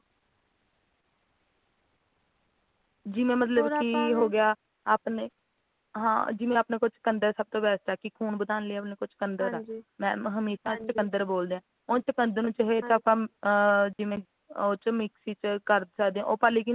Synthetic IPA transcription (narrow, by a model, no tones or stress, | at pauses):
d͡ʒɪmẽːmət̪ləbkiɦoːɡɪjaː | aːpneː | ɦã̰ːd͡ʒɪʋẽːaːpneːkʊt͡ʃt͡ʃkənd̪əɾsəb̚t̪õːbɛːst̪aːkɪkʰuːnbəd̪aːnlɪaːpneːkʊt͡ʃʰkənd̪əɾamɛ̃ːɦəmeːʃaːt͡ʃəkənd̪əɾboːld̪eːãː | õːt͡ʃəkənd̪əɾnũːt͡ʃəɦeːt̪əpãː | d͡ʒɪʋẽː | oːt͡ʃmɪksiːt͡ʃkəɾsəkd̪eːãʔoːpaːliːki